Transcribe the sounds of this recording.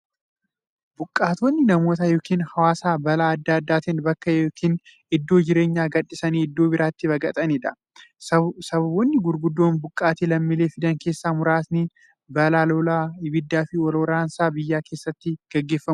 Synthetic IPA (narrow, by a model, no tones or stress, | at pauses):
bʊkʼːaːt̪oːnːɪnɐmo̞ːt̪ɐjo̞ːkiːnhɐwaːsaːbɐlaːɐd̪ːaːd̪ːaːt̪ɪnbɐkːɐjoːkʰiːn | ɪd̪ːo̞ːd͡ʒɪɾeːɲːaːɡɐᶑːɪsɐniːɪd̪ːoːbɪɾaːt̪ːɪbɐɡʼɐt̪ʼɐnɛd̪ɐ | sɐbɐbɔnːɪɡʊɾɡʊd̪ːo̞ːnbʊkʼːaːt̪iːlɐmːɪleːfɪd̪ɐŋke̞ːsːaːmʊɾaːsni | bɐlaːloːlaːɪbɪd̪ːaːfɪɔlːɾaːnsaːbɪjːaːke̞ːsːɐt̪ːɪɡ̥ɛɡːe̞ːfːɐmʊ